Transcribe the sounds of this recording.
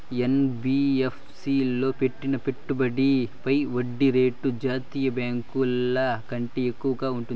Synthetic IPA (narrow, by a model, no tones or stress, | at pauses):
enbiepʰsilːoːpeʈːinɐpeʈːubɐɽipɐjʋoɖːiɾeːʈːud͡ʒaːt̪iːjɐbaːŋkuɐlːɐkɐɳʈiekːukaːuɳʈu